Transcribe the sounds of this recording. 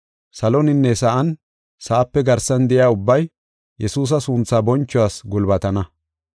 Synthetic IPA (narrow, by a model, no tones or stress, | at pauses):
sɐlɔnɪnːɛsɐʔɐn | sɐʔɐpːɛɡɐɾsɐnd̪ɛjaːʊbːɐj | jɛsuːs̬ɐsʊnt͡sːaːbɔnt͡ʃːɔwaːsɡʊlbɐt̪ɐnɐ